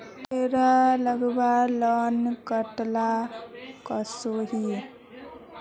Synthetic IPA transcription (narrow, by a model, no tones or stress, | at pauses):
t̪eɾaləɡbalɔnkəʈla | kəsoɦi